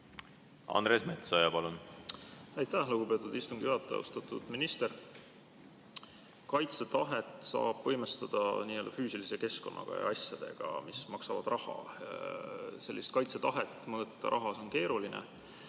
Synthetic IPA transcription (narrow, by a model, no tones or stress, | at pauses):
ɑ̰nɾesme̞t̪sojɑpɑlun | æjt̪ːˑæhluɡ̥upe̞t̪ːˑud̪ist̪uŋɡ̥ijuɑt̪ːˑeɑ̰ṵst̪ɑt̪ˑud̪̥minist̪e̞ɾ | kɑjt̪set̪ɑɦe̞t̪ˑsɑ̰ːb̥vɤjmest̪ɑd̪̥ɑniːø̞ld̪ɑfyːsilise̞ke̞sko̞̰nʔɑ̰ɡ̥ɑ̰jɑ̰ɑsjɑd̪̥e̞̰ɡ̥ɑ̰mismɑksɑvɑ̰d̪̥rʔɑhɑ̰ | se̞lːist̪̚kɑjt̪set̪ɑɦet̪ːˑmɤːt̪ːɑ̰ɾʔɑɦɑso̞nke̞ːɾulinḛ